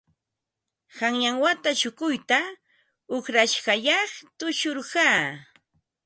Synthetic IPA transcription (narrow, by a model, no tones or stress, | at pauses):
haŋjaŋwat̪aʃʊkʊjt̪a | ʊχɾaʃɢɑʎɑχt̪ʊʃʊɾɢɑː